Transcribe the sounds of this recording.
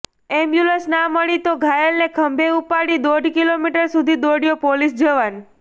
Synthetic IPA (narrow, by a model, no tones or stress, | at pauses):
ɛmbjuləsnaməɭit̪oɡʱajəlnekʰəmbʱeupaɽid̪oɖʱkilomiʈəɾsud̪ʱid̪oɽjopolisd͡ʒəʋan